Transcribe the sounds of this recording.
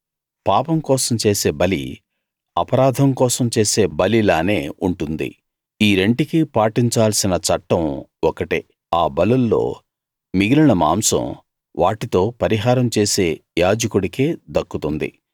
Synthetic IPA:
paːpɐmkɔːsɐmt͡ʃe̞ːse̞ːbɐlḭ | ɐpɐɾaːd̪ʱɐmkɔːsɐmt͡ʃe̞ːse̞ːbɐlilaːne̞ːuɳʈund̪ḭ | iːɾe̞ɳʈikipaːʈiɲt͡ʃaːlsinɐt͡ʃɐʈːɐmɔkɐʈḭ | aːbɐlɐlːo̞̰ː | miɡilɐɳɐma̰ːmsɐ̰̃m | ʋʔaːʈit̪o̞ːpɐɾiɦaːɾɐmt͡ʃe̞ːse̞ːjaːd͡ʒɐkuɽikeːd̪ɐkːut̪und̪ḭ

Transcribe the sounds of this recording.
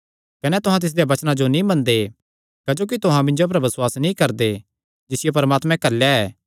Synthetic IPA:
kɐnɛt̪ʊɦãt̪̬ɪs̬d̪ejabɐt͡ʃnãd͡ʒonĩbɐnd̪e | kɐd͡ʒoːk̬it̪ʊɦãmɪ̃nd͡ʒop̬ɾɐbɪswaːsnĩkɐɾd̪e | d͡ʒɪsɪjep̬ɐɾmaːt̪mɛ̃kɐɾljaɛː

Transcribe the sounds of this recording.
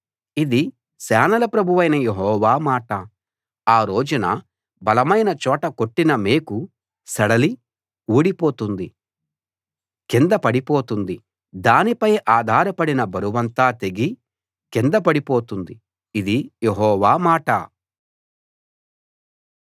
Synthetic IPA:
id̪i | sɛːnɐlɐpɾɐbʱuʋɐjnɐjeɦɔːʋaːmaːʈɐ | aːɾo̞ːd͡ʒunɐ̰ | bɐlɐmɐjnɐt͡ʃɔːʈɐkoʈːinɐmeːku | sɐɽɐli | uːɽipo̞ːt̪und̪i | kind̪ɐpɐɽipo̞ːt̪und̪i | d̪aːnipɐjʔaːd̪ʱaːɾɐpɐɽinɐbʱɐɾuʋɐnt̪aːt̪e̞ɡi | kind̪ɐp̬ɐɽipo̞ːt̪und̪i | id̪ijeɦɔːʋaːmaːʈɐ̰

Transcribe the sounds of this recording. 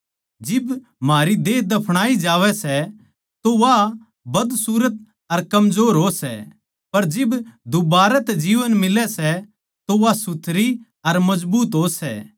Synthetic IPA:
d͡ʒɪb | maːɾid̪eːd̪ɐpʰɽ̃aːid͡ʒaːʋɛsɛ | t̪oʋa | bɐd̪suːɾət̪̚ | ɐɾkɐmzoːɾɦosɛ̰ | pɐɾd͡ʒɪbd̪ubaːɾɛt̪ɛd͡ʒiːʋənmɪlɛsɛ | t̪oʋasʊt̪ʰɾi | ɐɾmɐd͡ʒbuːt̪ɦoːsɛ̰ː

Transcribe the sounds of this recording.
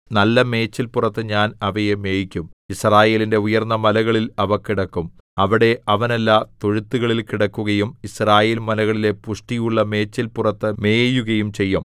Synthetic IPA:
nɐlːɐme̞ːt͡ɕːilpurɐt̪ːɨɲaːnɐʋɐjeme̞ːjikʲːumisraːje̞ːlinde̞ujɐrnːɐmɐlɐɣɐɭilɐʋɐkːiɽɐkːum | ɐʋiɽe̞ʔɐʋɐnɐlːaːt̪o̞ɻut̪ːuɣɐɭilkiɽɐkːuɣɐjumisraːjeːlmɐlɐɣɐɭile̞puʂʈijuɭːɐme̞ːt͡ɕːilpurɐt̪ːɨme̞ːjuɣɐjumt͡ɕe̞jːum

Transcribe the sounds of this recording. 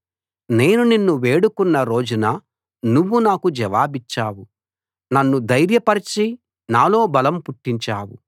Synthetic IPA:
ne̞ːnuninːuʋe̞ːɽukunːɐɾo̞ːd͡ʒunɐ | nuʋːunaːkud͡ʒɐʋaːbit͡ʃːaːwu | nɐnːud̪ɐjɾjɐpɐɾit͡ʃi | naːlo̞ːbɐlɐmpuʈːiɲt͡ʃaːwṵ

